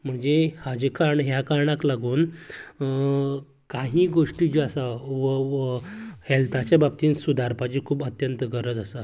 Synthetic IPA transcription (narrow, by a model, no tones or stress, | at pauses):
m̤əɳd͡zehad͡ʑekaɳɦjakaɾɳaklaɡuːn | kaɦĩːɡoʂʈid͡ʑiasaʋə | hɛlt̪at͡ɕjabab̚t̪iːnsud̪ʱaɾpad͡ʑiːkʰuːbət̪jənt̪əɡəɾəd͡zasa